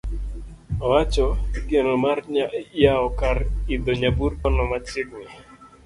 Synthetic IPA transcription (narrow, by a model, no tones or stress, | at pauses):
ɔat͡ʃɔɡenɔmaɾɲajaɔkaɾid̪ɔɲabuɾkɔnɔmat͡ʃɪk̚nɪ